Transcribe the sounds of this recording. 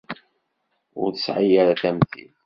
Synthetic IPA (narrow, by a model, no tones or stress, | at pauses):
ʊ̰ɾθəsʕajaɾaθæmθḭð